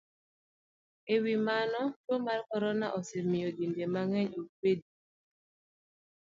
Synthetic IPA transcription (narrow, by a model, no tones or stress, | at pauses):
ewimanɔtomaɾkɔɾɔnaʔɔsemiodindemaŋɛɲobedi